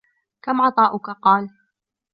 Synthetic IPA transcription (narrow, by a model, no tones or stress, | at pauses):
kamʕɑt̪ˤɑːʔʊkaqɑːl